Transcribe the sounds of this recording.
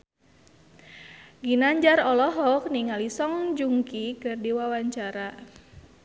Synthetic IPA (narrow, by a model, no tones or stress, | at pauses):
ɡinaɲd͡ʒarɔlɔɦɔk̚niŋalisɔŋd͡ʒuŋkikɨrdiwawaɲt͡ʃaɾa